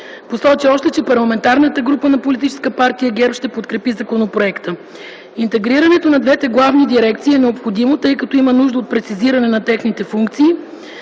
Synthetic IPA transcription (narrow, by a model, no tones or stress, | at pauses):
posɔt͡ʃiɔʃt̪ɛt͡ʃɛpɐɾlˠɐmɛnt̪aɾnət̪əɡɾupənɐpolit̪it͡ʃɛ̥skəpaɾt̪ijəɡɛɾpʃt̪ɛpot̪kɾɛpizɐkonopɾoɛkt̪ə | int̪ɛɡɾiɾɐnɛt̪onɐd̪vɛt̪ɛɡlˠavnid̪iɾɛkt̪siːɛnɛopxod̪imot̪ɤjkɐt̪ɔimənuʒd̪əot̪̚pɾɛt̪siziɾɐnɛnɐt̪ɛxnit̪ɛfuŋkt̪siː